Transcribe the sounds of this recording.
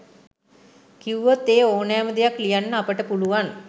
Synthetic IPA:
kiuʋət̪eːoːnaːməd̪ijaklijanːəapəʈəpuluʋan

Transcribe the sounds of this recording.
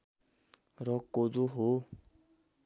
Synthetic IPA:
ɾɔkod͡zoɦo

